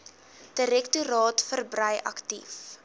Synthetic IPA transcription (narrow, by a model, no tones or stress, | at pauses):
d̥əɾɛktuɾɑːtfərbrɐjʔɐ̰ktḭf